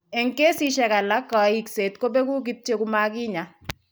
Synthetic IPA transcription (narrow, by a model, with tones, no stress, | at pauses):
e˨ŋke˦si˦ʃɛ˨ka˨la˦kːɔ˨˦i˦kse˨t̪ko˦be˦ɡu˦ɡ̬i˦t̚t͡ʃe˦ku˦ma˦ɡɪ˦ɲa˨